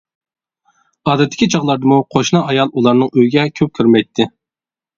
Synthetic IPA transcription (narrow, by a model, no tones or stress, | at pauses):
ɑːd̪ɛt̪ʰːɪ̥kʲʰit͡ʃʰɑʁlˠɑɾd̪ɨmuqʰoʃnɑʔɑjɑlˠulˠɑɾnɨŋøjɡʲɛkʲʰøp̚kʲʰøɾmɛjt̪ʰːɪ